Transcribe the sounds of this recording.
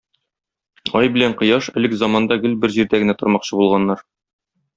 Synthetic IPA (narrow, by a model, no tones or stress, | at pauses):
ɒjbɘ̆læɴqŏjɑʃɘ̆lɘkzɑmɑnd̪ɑɡɘlbɘɾʑiɾd̪æɡɘ̆næt̪ŏɾmɑqɕɤbulˠʁɑnːɑɾ